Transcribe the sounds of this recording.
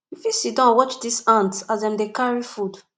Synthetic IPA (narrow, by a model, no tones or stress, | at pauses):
ifisidãwɔt͡ʃdisãntazdɛ̃mdekaɹifud